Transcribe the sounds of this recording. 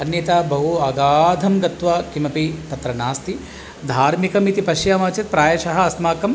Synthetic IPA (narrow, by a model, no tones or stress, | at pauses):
ɐnjɐt̪aːbɐɦuɐːɡaːd̪ʱɐmɡɐt̪ʋɐkimɐpit̪ɐt̪ɾɐnaːst̪i | d̪ʱaːɾmikɐmit̪ipɐʃjaːmaːt͡ʃɐt̪̚pɾaːjɐʃɐɦɐ̆ɐsmaːkɐm